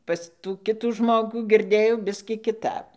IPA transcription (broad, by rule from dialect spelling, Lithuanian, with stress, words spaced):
ˈpɐs tuː ˈkʲɪtuː ˈʒmoːɡuː ɡʲɪrʲˈdʲeːjɛʊ ˈbʲɪsʲkʲiː kʲɪˈtɐp